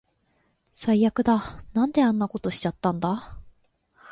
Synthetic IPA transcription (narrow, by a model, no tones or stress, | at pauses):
sajjakɯ̟d̪anãnd̪e̞ãnːako̞t̪o̞ɕi̥t͡ɕat̪ːãnd̪a